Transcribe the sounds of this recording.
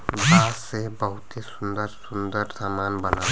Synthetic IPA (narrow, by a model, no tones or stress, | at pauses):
ɡaːsebəɦʊt̪esʊnd̪əɾsʊnd̪əɾsamaːnbɐna